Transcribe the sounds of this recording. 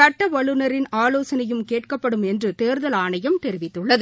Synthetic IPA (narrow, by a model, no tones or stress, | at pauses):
ɐʈːɐʋɐɭɯnɐɾɪnaːloːsɐnɐjɯmkeːʈkɐpːɐɽɯmɛndrɯt̪eːɾðɐlaːɳɐjɐmt̪ɛɾɪʋɪt̪ːɯɭːɐðɯ